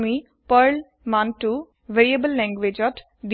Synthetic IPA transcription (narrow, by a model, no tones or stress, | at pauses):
mi | pəɾl | mãnʈu | ʋeɾiəbəlːɛ̃ŋɡʋed͡ʒɔʈ | d̪